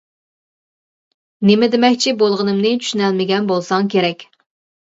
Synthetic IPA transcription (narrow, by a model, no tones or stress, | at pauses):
nemɪd̪ɪmɛkʲt͡ʃʰibolˠʁənɨmnɨt͡ʃʰy̥ʃynɛlmɪɡʲɛnbolˠsɑŋkʲʰeɾɛkʲ